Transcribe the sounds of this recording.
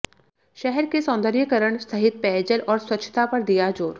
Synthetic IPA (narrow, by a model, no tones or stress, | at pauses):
ʃɛɦɛɾkesɔ̃ːnd̪əɾjəkəɾəɳ̃sɐɦɪt̪̚pɛːd͡ʒəlʔɔːɾswɐtːʃʰə̥t̪apɐɾd̪ijad͡ʒoːɾ